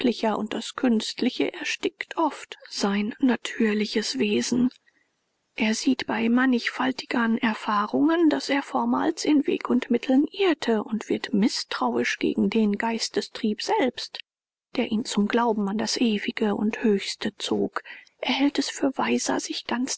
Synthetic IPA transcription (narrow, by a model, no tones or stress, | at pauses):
lɪçɐʔʊ̰nt̚d̥askʰʏnstʰlɪçə̰ʔɛɐʃtɪktʰʔɔftz̥aɪnːatʰyːɐlɪçəsv̥eːzn̩ | ʔeːɐziːtb̥aɪmanɪçfaltɪ̥ɡ̥ɐnʔɛɐfaːʁʊŋəndaseːɐfɔɐma̰ːlt͡sɪnvḛːkʊntmɪtʰl̩nʔɪɐtʰəʊntv̥ɪɐtmɪstʁ̥aʊɪʃɡ̥ḛːɡŋ̩deːnɡaɪstəstʁ̥iːpz̥ɛlpst | d̥eːɐʔiːnt͡sʊmɡlaʊbm̩andasʔeːvɪɡəʊ̰nthøːçstət͡so̰ːk | ʔeɐhɛltɛsfyːɐvaɪzɐ̰z̥ɪçɡ̥ant͡s